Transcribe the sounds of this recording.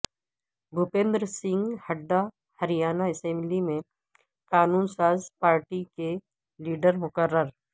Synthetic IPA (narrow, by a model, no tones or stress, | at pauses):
bʱʊpẽːnd̪ɾsɪ̃ŋɡhɐɖːa | hɐɾijaːnaɪsɛ̃mblimẽ | kaːnuːnsaːzpaːɾʈike | liːɖəɾmʊkəɾːəɾ